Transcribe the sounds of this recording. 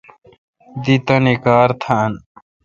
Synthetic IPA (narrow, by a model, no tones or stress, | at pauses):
d̪it̪ɐnikaːɾt̪ʰan